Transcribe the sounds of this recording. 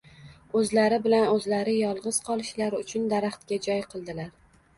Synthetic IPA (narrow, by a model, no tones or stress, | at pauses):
ɵzlaɾɪbɪlanɵzlaɾɪjɒlˠʁɨz̥qʰɒlˠɪʃlaɾʊt͡ʃʰʊnd̪aɾaχt̪̚kʲad͡ʒɒjqʰɨlˠd̪ɪlaɾ